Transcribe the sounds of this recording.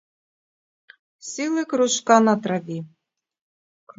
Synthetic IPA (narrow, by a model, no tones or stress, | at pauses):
sʲilˠɘkɾuʃkɑnɑt̪ɾɑvʲi | k